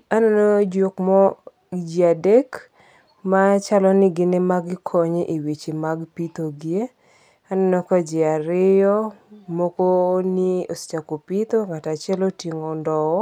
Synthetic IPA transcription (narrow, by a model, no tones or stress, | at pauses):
anɔnod͡ʒokmɔ | d͡ʒiadek | mat͡ʃalɔnɪɡɪnemaɡkʰɔɲeʔiwit͡ʃimaɡpit̪oɡie | anɔnɔkɔd͡ʒɪaɾɪjɔmokoniost͡ʃakopit̪oŋatat͡ʃɪɛlotiŋondɔwɔ